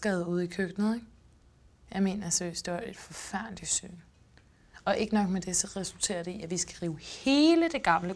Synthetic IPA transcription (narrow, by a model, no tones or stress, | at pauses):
ɡ̥ɛʊðˠuð̞̰ˠikʰøɡ̥nð̩ˠeɡ̥ | jɑ̈ɪme̝̰ːnɐsøisd̥ee̝d̥fɒ̽fæɐ̰nd̥li̥sø̰n | ɒ̽ʔe̝ɡ̥ənɒ̽ɡ̥med̥e̝sɒ̽ʁɛsult͡sʰḛːɐɾe̝iæʋisɡ̥æʁiːʊhe̝ːləd̥e̝ɡ̥ɑ̈mlə